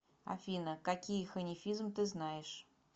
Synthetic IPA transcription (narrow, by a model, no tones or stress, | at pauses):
ɐ̰fʲinəkakʲijəxənʲɪfʲizmt̪ɨznajɪʂ